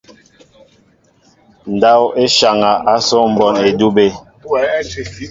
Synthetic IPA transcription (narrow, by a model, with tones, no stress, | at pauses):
n̩˨da˦we˦ʃa˨ŋa˨ʔa˦sɔ˦m̩˨bɔ˦ne˨du˦be˦